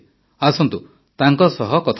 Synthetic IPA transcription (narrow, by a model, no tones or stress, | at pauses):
asɔnt̪u | t̪aŋkɔsɔɦɔkɔt̪ʰ